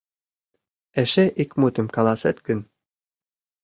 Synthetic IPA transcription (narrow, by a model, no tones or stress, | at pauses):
ɛʃeʔikmut̪ɘ̆mkɑlˠɑsɛt̪kɘ̆n